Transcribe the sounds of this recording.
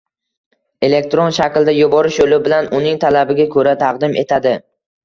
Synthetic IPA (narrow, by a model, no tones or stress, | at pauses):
e̞le̞k̚ʲt̪ɾonʃakʲld̪ajʊbɒɾɪʃolɪbɪlanʊnɪŋt̪ʰalabɪɡʲakʰɵɾat̪ʰɑqd̪ɪmʔe̞̰t̪ʰad̪ɪ